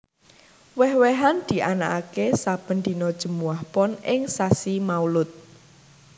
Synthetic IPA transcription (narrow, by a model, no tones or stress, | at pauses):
wɛhweɦand̪̥i̤ʔanaʔakesab̥ə̤nd̪inɔd̥ʒ̥ə̤muwahpɔnɪŋsasimaulʊt̪̚